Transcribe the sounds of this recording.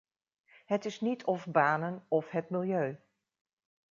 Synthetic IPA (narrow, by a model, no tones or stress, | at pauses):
ɦətɪsnitʰɔfbaːnənɔfɦətmɪlˠjøɥ